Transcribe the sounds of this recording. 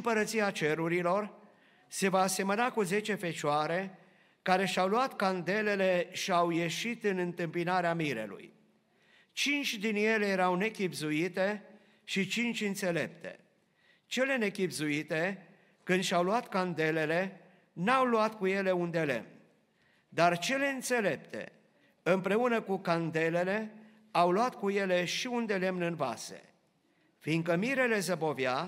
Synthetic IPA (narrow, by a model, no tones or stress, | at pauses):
mpəɾət̪siat͡ʃe̞ɾuɾilo̞r | se̞vaːse̞mənakuze̞t͡ʃe̞fe̞t͡ʃoaɾe̞ | kaɾe̞ʃawluat̪kand̪e̞le̞le̞ʃiawje̞ʃit̪ɨnɨnt̪ɨmpinaɾeamiɾe̞̰lṵj | t͡ʃint͡ʃʲd̪inje̞le̞jeɾawne̞kʲibzuit̪e̞ | ʃit͡ʃint͡ʃʲɨnt̪se̞le̞p̚t̪e̞̰ | t͡ʃe̞le̞ne̞kʲibzuit̪e̞ | kɨnd̪ʃawluat̪kand̪e̞le̞le̞ | nawluat̪kuje̞le̞und̪e̞le̞̰mn | d̪art͡ʃe̞le̞ɨnt̪se̞le̞p̚t̪e̞̰ | ɨmpɾe̞unəkukand̪e̞le̞le̞ | awluat̪kuje̞le̞ʃiund̪e̞le̞mnɨnva̰se̞̰ | fiŋkəmiɾe̞le̞zəbo̞vja